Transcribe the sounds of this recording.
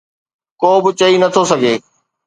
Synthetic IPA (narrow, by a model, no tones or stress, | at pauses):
koːbɪt͡ɕɐinɐt̪ʰosɐɡʱeː